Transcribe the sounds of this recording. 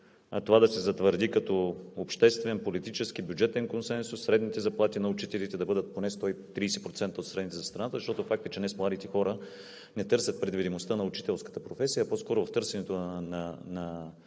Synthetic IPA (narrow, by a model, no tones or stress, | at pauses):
at̪ovad̪ɐsɛzɐt̪vəɾd̪ikɐt̪ɔopʃt̪ɛst̪vɛnpolit̪it͡ʃɛsk̟ibʲjud͡ʒɛt̪ɛnkonsɛnsusːɾɛd̪nit̪ɛzɐplˠat̪inɐʊt͡ʃit̪ɛlit̪ɛd̪ɐbɤd̪ət̪̚ponɛst̪ɔjt̪ɾiːsɛpɾot̪sɛnt̪əot̪sɾɛd̪nit̪ɛzɐst̪ɾɐnat̪əzɐʃt̪ɔt̪ofak̚t̪ət͡ʃɛnɛsmlˠad̪it̪ɛxɔɾə | nɛt̪ɤɾsʲɐt̪̚pɾɛd̪vid̪imost̪ənɐʊt͡ʃi̥t̪ɛlˠskə̥t̪əpɾofɛsijɐpɔskɔɾʊvɐft̪ɤɾsɛnɛt̪onɐnɐ